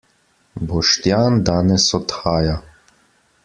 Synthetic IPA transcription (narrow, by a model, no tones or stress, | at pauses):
bɔʃt̪jaːnd̪aːnɛsɔt̪xaːja